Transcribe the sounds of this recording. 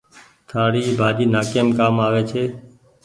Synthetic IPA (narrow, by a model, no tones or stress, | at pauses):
t̪ʰaːɽiːbʱaːɗiːnaːkeːmkaːmaːʋeːt͡ʃʰeː